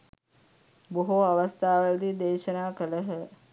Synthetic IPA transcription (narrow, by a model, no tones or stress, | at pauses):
boɦoaʋast̪ʰaːʋəld̪id̪eːʃənaːkələɦə